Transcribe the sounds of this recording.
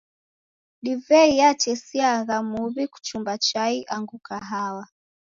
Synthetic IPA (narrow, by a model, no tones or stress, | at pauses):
ɗivɛijat͡ʃɛsiaɣamuβiku̥t͡ʃumbat͡ʃaiʔaŋɡukaɦawa